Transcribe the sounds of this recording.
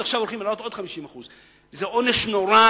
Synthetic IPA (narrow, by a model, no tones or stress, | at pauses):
aχʃavolχimelaot̪o̞d̪̥χamiʃimaχuz | zeʔo̞neʃnoɾa